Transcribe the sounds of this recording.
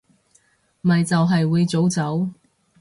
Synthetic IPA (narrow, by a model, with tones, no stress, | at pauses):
mmɐ˨jt͡sɐ˨wɦɐ˨jwuː˨˧jt͡so˨˥wt͡sɐ˨˥w